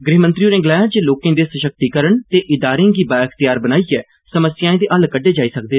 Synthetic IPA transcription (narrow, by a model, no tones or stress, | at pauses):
ɡɾeːmə̃nt̪ɾijũːnẽːɡɪlaːjãːd͡ʒeːloːkẽːd̪eːsəʃək̚t̪iːkəɾəɳt̪eːʔɪd̪aːɾẽːɡiːbaːkʰt̪ɪjaːɾbənaːiːɛː | səməsjãːẽːd̪eːʔəlkəɖːeːd͡ʒaːiːsək̚d̪eː